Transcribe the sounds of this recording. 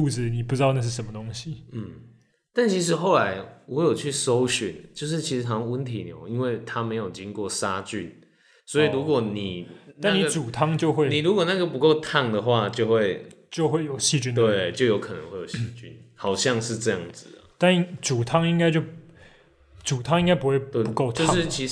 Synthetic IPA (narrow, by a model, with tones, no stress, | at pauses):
u˥˧t͡sɹ̩˨˩ni˨˩p̬u˧˩ʈ͡ʂɻ̩˥t̪ɑ˥˧na˥˧ʂ̬ɻ̩˥˩ʂə˧˦mə˧t̪o˥ŋɕi˦m̩˥˩ | t̪a˥˩nt͡ɕʰi˧˥ʂ̬ɻ̩˧˥˦xo˥˩ʊla˧˦ɪwɔ˧˥jo˨˩ʊt͡ɕʰy˥˩so˥˦ʊɕy̰˨˦nt͡ɕjo˥˧ʊʂ̬ɻ̩˥˩t͡ɕʰi˧˥ʂɻ̩˧t̪ʰɑ˨˩˧ŋwu˦˥nt̪ʰi˨˩njo̰˨˧˦ʊi˦˥nwe˥˩ɪt̪ʰa˦me˧˥ɪjo˨˩ʊt͡ɕi˦ŋkwɔ˥˨˩sa˥t͡ɕy̰˥˨n | swɔ˧˥i˨lu˧˦kwɔ˨˩ni˨˩a˥˨˥nːi˨˥t͡su˨˩t̪ʰɑ˥ŋt͡ɕjo˥˧ʊxwe˥˩ɪni˨ɻu˧˥kwɔ˨˩na˥˩ɡə˩pu˧˦ko˥˧ʊt̪ʰa˥˩ŋd̪ə˨xwa˥˧t͡ɕjo˥˧xwe˥˧ɪt͡ɕjo˥˧ʊxwe˥˩ɪjo˨˩ʊɕi˥˧t͡ɕy˥nt̪we˥˩t͡ɕjo˥˩ʊjo˧˥ʊkʰɤ˨˩nə̰˧˦ŋxwe˥˩ɪjo˨˩˦ɕt͡ɕy̰˧nhɑ˨˩ʊɕjɑ˥˧ŋʂɻ̩˥˧ʈ͡ʂɤ˥˧jɑ˥˩ŋd͡z̩˨˩˨t̪a˥˩nt͡su˨˩t̪ʰɑ˦˥ŋi˥ŋka˥ɪt͡ɕjo˥˩ʊ | t͡su˨˩t̪ʰɑ˥ŋi˥ŋka˥ɪpu˧˥we˥˩ɪpu˨˧ko˥˧ʊt̪o˧˥ʂɻ̩˥˨t͡ɕʰi˧˥